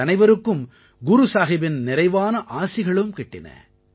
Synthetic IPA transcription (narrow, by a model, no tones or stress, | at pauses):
ɐnɐɪʋɐɾɯkːɯm | ɡʊɾusaːɣɪbɪnnɪɾɐɪʋaːnɐʔaːsɪɣɐɭɯmkɪʈːɪnɐ̰